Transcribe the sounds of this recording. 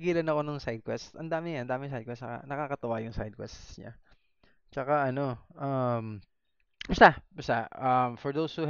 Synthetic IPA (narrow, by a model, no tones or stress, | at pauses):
ɡiːlɐnɐko̞nʊŋsajd̪̚kwɛst̪ɐnd̪aːmɪŋɐnd̪aːmɪŋsajd̪̚kwɛstka̰nɐkaːkɐt̪ɐwajʊŋsajd̪̚kwɛ̰st̪sɲa̰ | t͡ʃɐkaʔɐno̞ʔɐm | mʊst̪abʊst̪aʔɐmfɔɹd̪owshu